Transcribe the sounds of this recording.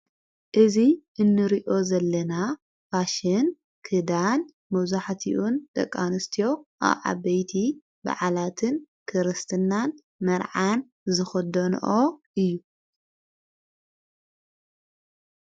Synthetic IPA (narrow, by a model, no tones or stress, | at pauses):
ʔɨziʔɨnːɨɾiʔo̞zɐlːɐna | faʃɪn | kʰɨd̪an | mɐwzaħt̪ʰiʔunt̪ʼɐ̰kʼːanɨst̪ʰijo̞ʔa̰βʕa̰βɐjt̪ʰi | ba̰ʕalat̪ʰɨn | kʰɨɾɨst̪ʰɨnːan | mɐɾʕan | zɨxɐd̪ɐn̰ʔoʔɨjːu